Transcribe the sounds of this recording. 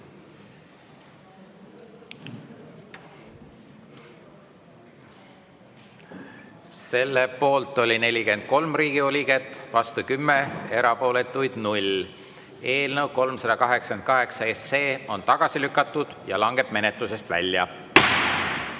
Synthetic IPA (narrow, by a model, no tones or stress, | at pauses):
se̞lːepo̞ːlt̪ːˑo̞lʲine̞lʲike̞nd̪̥̚ko̞lmriːɡ̥io̞lʲiɡet̪ːˑvɑst̪ukymːee̞ɾɑpo̞ːle̞t̪ːˑujd̪̥nulʲ | e̞ːlnəwko̞lmsɑd̪̥ɑkɑɦeksɑ̥kend̪̚kɑɦe̞ksɑesːeːo̞nt̪ɑɡ̥ɑsilykːˑɑt̪ˑːud̪̥jɑ̰lɑŋɡe̞b̥me̞ne̞t̪lus̬e̞st̪væ̰lʲːjɑ̰